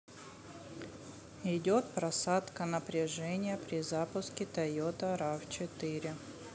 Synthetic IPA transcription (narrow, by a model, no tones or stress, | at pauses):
ɪdʲot̪pɾɐsat̪kənəpɾʲɪʐɛnʲɪjəpɾʲɪzapʊskʲɪt̪ɐjot̪əɾaft͡ɕɪt̪ɨɾʲɪ